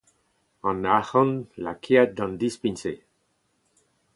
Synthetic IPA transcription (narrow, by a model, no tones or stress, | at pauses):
ɑ̃naxɔnlakʰiat̪̚d̪ɑ̃nd̪ispinse